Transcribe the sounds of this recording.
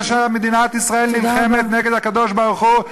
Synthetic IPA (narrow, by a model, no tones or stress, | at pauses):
ʃemed̪inat̪isʁaelnilχemet̪neɡed̪akad̪o̞ʃbaʁuχu